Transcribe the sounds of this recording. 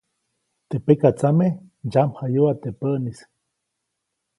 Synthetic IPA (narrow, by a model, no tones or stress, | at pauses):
t̪epekat͡same | d͡ʒamhajuat̪epəʔnis